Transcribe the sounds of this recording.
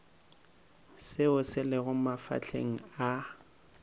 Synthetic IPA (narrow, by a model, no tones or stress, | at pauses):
sɪʊsɪlɪɣʊmafa̰t͡ɬʰḛŋ̩a